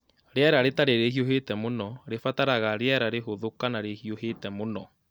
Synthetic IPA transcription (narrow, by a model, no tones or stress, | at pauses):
ɾeɛɾaɾetaɾeɾeɦioɦetɛmonɔɾefataɾaɣaɾeɛɾaɾeɦoðokanaɾehioɦetɛmonɔ